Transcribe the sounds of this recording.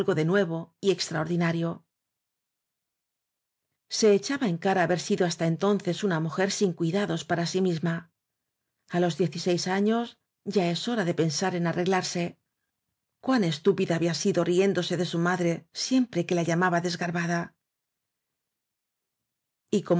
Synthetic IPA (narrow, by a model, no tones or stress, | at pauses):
lɣo̞ðe̞nwe̞β̞o̞ie̞kst̪ɾao̞ɾðinaɾjo̞ | se̞ːt͡ʃaβae̞ŋkaɾaːβe̞ɾsiðo̞ast̪ae̞nt̪o̞nθe̞sunamuxe̞ɾsiŋkwiðaðo̞spaɾasimizma | alo̞zðje̞θise̞jsaɲo̞s | ɟ͡ʝae̞so̞ɾaðe̞pe̞nsaɾe̞narʔe̞ɣlaɾse̞ | kwane̞st̪upiðaːβiasiðo̞rie̞nd̪o̞se̞ðe̞sumaðɾe̞sje̞mpɾe̞ke̞laʎamaβaðe̞zɣaɾβaða | iko̞m